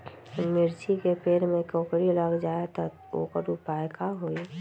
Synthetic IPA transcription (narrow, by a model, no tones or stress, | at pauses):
mɪɾt͡ʃikepeːlmẽkoːkɾiləɡd͡ʒaːet̪ə | o̰kəɾupaːjkaɦoːi